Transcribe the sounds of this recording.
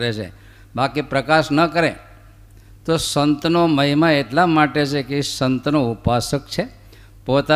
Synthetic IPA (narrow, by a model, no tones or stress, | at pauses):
ɾet͡ʃʰḛ | bakipɾəkaʃnəkəɾe | t̪osənt̪noməɦimaeʈlamaʈet͡ʃʰekesənt̪noupasəkt͡ʃʰe | pot̪a